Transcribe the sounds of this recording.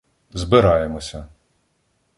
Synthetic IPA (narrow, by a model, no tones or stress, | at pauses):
zbɪɾɑjemɔsʲɐ